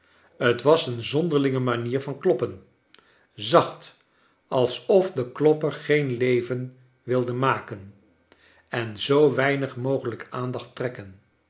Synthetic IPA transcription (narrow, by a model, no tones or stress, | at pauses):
ətʋɑsənzɔndəɹlɪŋəmaniːɹvɑnklɔpən | zɑχt | ɑlˠsɔfdəklɔpəɹχejnlejvən | ʋɪlˠdəmaːkən | ɛnzowʋɛjnəχmowχələkaːndɑχtrɛkən